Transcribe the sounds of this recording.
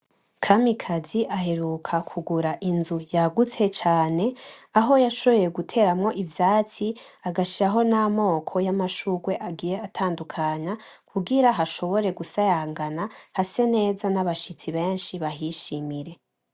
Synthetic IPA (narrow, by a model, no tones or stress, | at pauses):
kʰamikʰaziʔaɦe̞ɾukʰakʰuɡuɾaʔinzujaɡut͡se̞t͡ʃaːne̞aɦo̞jaʃo̞βo̞je̞ɡutʰe̞ɾamŋo̞ʔivjaːt͡si | aɡaʃiɾaɦo̞namo̞ːkʰo̞jamaʃuɡwe̞ʔaɡiːje̞atʰaːndukʰaɲa | kʰuɡiɾaɦaʃo̞βo̞ɾe̞ɡusajaːŋɡanahase̞ne̞ːzanaβaʃit͡siβe̞ːnʃiβaɦiʃimiɾe̞